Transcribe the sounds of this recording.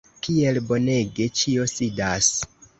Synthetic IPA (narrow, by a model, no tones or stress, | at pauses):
kie̞lbo̞ne̞ɡe̞t͡ʃio̞sidas